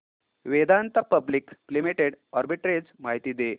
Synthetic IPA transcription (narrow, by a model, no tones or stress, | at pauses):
ʋed̪ant̪apəblikplimeʈeɽɔɾbiʈɾed͡zmaɦit̪iːd̪e